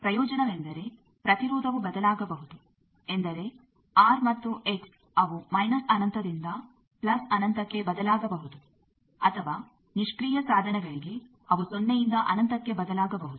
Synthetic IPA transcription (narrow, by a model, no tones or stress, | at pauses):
pɾɐjɔːd͡ʒɐnɐʋend̪ɐɾe̞ | pɾɐt̪iɾɔːd̪ʱɐʋubɐd̪ɐlaːɡɐbɐɦud̪u | end̪ɐɾe̞ | aːɾmɐt̪ːuʔe̞ks | ɐʋumɐjnɐsɐnɐnt̪ʰɐd̪ind̪ɐ | plɐsɐnɐnt̪ɐkːe̞bɐd̪ɐlaːɡɐbɐɦud̪u | ɐt̪ʰɐʋaː | niʂkɾiːjɐsaːd̪ʱɐnɛɡɐɭiɡe | ɐʋusonːeɛjind̪ɐʔɐnɐnt̪ɐkːe̞bɐd̪ɐlaːɡɐbɐɦud̪u̥